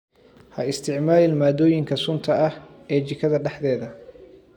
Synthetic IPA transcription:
hɐɪst̪ʰɪʕmaːlɪlmaːd̪ɔːjɪŋkʰɐsʊnt̪ʰɐɐh | ɛːt͡ʃɪkʰɐðɐɖɛħd̪ɛːðɐ

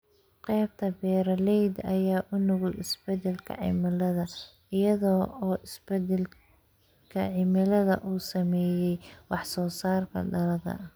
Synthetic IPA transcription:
qɛːb̚t̪ʰɐbɛːɾɐlɛjd̪ɐjaːʔʊnʊɣʊlɪsbɛd̪ɛlkʰɐ̰ʕɪ̰mɪlɐðɐ | ɪjɐðɔːɔːʔɪsbɛd̪ɛl | kʰɐ̰ʕɪmɪlɐðɐ̰ʔuːsɐmɛːjɛjwɑħsɔːsaːrkʰɐ̰ɖɐlɐðɐ̰

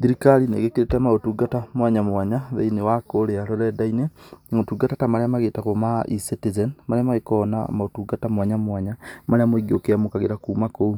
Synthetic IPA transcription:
ðiɾikaɾinḛɣekeɾetɛmaotuɡatamwaɲamwaɲaðḛinewakoɾeaɾɔɾɛdaineŋotuɡatatamaɾeamaɣeːtakomaʔisitizɛnmaɾeamaɣekɔna̰maotuɡatamwaɲamwaɲamaɾeamoiɡiokeamokaɣeɾakuːmakou

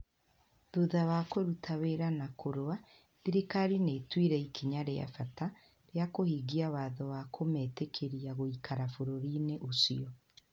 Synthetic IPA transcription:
ðuðaβakweɾutʰaβeɾanakʰoɾowa | ðiɾikaɾinetwiɾɛikʰiɲaɾea̰fata | ɾjakohiɡiawaːðɔwakʰometekʰeɾiaɣoikʰaɾafoɾoɾineʔosiɔ

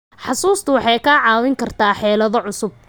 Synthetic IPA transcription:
ħɑsuːst̪ʰʊwɑħɑjkʰaːʕɑːwɪŋkʰɐrt̪ʰaːħɛːlɐðɔʕʊsʊb̚

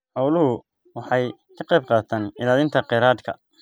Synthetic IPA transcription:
hɑwlʊɦʊ | wɑħɑjkʰɐqɑjb̚qɑːt̪ʰaːnɪlaːlɪnt̪ʰɐqɛɾaːd̪kʰɐ̰

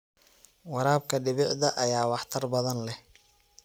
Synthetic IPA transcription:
wɑɾaːb̚kʰɐɖɪβɪʕðɐʔɐjaːwɑħt̪ʰɐrbɐðɐnlɛh

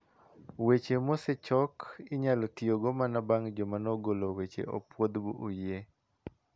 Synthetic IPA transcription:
wet͡ʃemosɛt͡ʃɔkɪɲalɔtioɡomanabaŋd͡ʒomanɔɡolowet͡ʃḛɔ̰pwod̪buʔujje

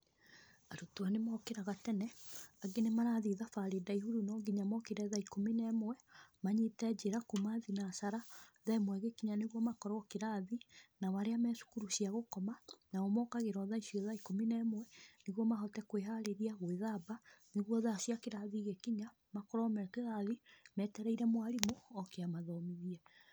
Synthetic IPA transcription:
aɾutoanemɔkeɾaɣatɛnɛaɡenemaɾaðiðafaɾedaihuɾunɔɡiɲamɔkeɾɛðaikominɛmwɛmaɲetɛd͡ʒeɾakumaðinasaɾaðɛmwɛɣekiɲaneɣwɔmakɔɾɔkeɾaðinaβaɾeamɛːsu̥kuɾuɕiaɣokɔmanaɔmɔkaɣeɾɔðaiʃiɔðaikominɛːmwɛneɣwɔmaɦɔtɛkweɦaɾeɾiaɣoeðabaneɣwɔðaʃiakeɾaðiɣekiɲa | makɔɾɔmɛkeɣaðimɛtɛɾɛiɾɛmwaɾimoɔkeamaðɔmiðiɛ

